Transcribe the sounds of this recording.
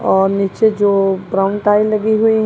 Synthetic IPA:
ɔːɾniːt͡ʃed͡ʒoːbɾãːʊ̃ɳʈaːilɐɡiɦʊiɦ

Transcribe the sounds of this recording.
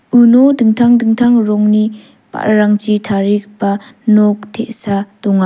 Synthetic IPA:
ʔunɔdɯŋtʰaŋdɯŋt̪ʰaŋɾɔŋni | pa̰ʔɾaŋt͡ʃitʰaɾik̚panɔk̚tʰeʔsatɔŋa

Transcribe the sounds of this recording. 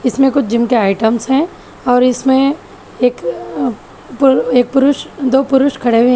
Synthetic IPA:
ɪsmẽkʊt͡ʃʰd͡ʒɪmkeaːɪʈəmsɦɛ̃ː | ɔːɾɪsmẽ | eːk | peːk̚pʊɾʊʃd̪oːpʊɾʊʃkʰɐɽewẽɦ

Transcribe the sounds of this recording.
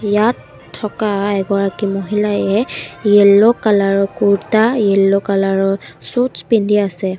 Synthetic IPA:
jatʰː | ɔkaɛɡɔɹakimɔɦilajɛjɛlːokalaɹɔkuɹtajɛlːokalaɹɔsut͡ʃpindʱiasɛ

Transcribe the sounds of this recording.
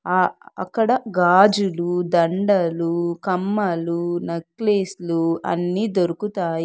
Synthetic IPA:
aːɐ̰kːɐɽɐɡaːd͡ʒulud̪ɐɳɖɐlukɐmːɐlunɐkleːsluɐ̰nːiːd̪oɾukut̪aːj

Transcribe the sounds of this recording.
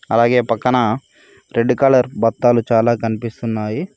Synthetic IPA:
ɐlaːɡe̞ːpɐkːɐnɐ | ɾeɳɖukaːlɐɾbɐt̪ːaːlut͡ʃaːlaːkɐnipist̪unːaːji

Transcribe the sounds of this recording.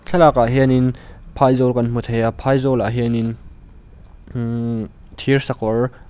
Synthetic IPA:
ɬʰɐlakaʔɦɛninpʰajzɔlkɐnm̥ut̪̚hɛapʰajzɔlaʔɦɛnin | t̪ʰirsɐkɔr

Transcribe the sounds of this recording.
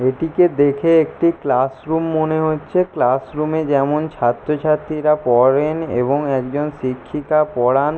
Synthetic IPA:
eʈiked̪ekʰeekʈiklasɾumːoneɦotːɕʰeklasɾumed͡ʑɛmont͡ɕʰat̪ːɾot͡ɕʰat̪ɾiɾapɔɾenḛboŋɛkd͡ʑonʃikʰːikapɔɽan

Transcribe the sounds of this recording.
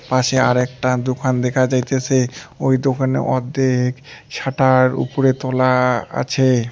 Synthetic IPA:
paʃeaɾɛk̚ʈad̪okʰand̪ɛkʰad͡ʑajt̪esʰeojd̪okʰanḛʔɔd̪ːeɦekʃaʈaɾṵpoɾet̪ɔlaa̰t͡ɕʰe

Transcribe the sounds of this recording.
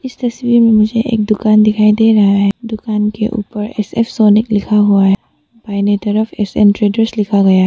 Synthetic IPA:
ɪst̪ɐswiːɾmẽmʊd͡ʒʱeʔḛːk̚d̪ʊkaːnd̪ɪkʰaːid̪eɾɐɦaɦɛd̪ʊkaːnkḛʔṵːpəɾɛ̰sɛ̰fsoːnɪklɪkʰaɦuaɦɛ | b̥aːɪnet̪ɐɾəfʰɛsɛ̰nʈɾeːɖəɾslɪkʰaɡɐjaɦɛ

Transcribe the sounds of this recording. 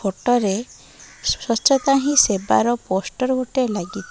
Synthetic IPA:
oʈɔɾe | sɔt͡ʃɔt̪aɦĩseba̰ɾɔpɔsʈɔɾɡʱoʈelaɡit̪ɔ

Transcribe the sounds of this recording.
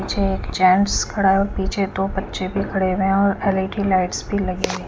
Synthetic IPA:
it͡ʃʰeeːkt͡ʃɛ̃ːnskʰəɽaːeɔːɾpiːt͡ʃʰet̪opətːʃebʱikʰəɽeʋeɔːɾɛleʈilaɪʈsbʱilɐɡeʋẽ

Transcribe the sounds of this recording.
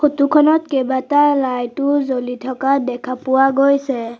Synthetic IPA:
xotukʰɔnɔtkebatalajtʊzolitʰɔkadɛkʰapʊwaɡojsɛ

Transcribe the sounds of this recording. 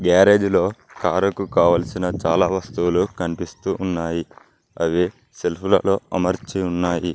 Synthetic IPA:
ɡaːɾeːd͡ʒlo̞ːkaːɾɐkukaːʋɐːlɐsinɐt͡ʃaːlaːʋɐst̪uwulukɐnipist̪uːnːaːji | ɐʋi | selpʰulɐloːɐmɐɾt͡ʃiunːaːji

